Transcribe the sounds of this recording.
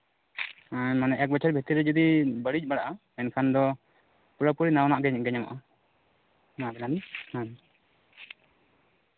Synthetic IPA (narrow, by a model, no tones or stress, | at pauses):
amanɛʔɛk̚bɛt͡ʃʰaɾbʱit̪iɾɛd͡ʒud̪ibəɽid͡ʒbaɽaʔa | ɛnkʰand̪ɔ | puɾapuɾinawnaʔɡɛɲaɡɛɲama̰ʔa | nabɛnaninan